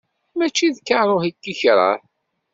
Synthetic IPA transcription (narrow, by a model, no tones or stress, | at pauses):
mæt͡ʃːiðkːaɾˤohikːiçɾˤə̰ɾ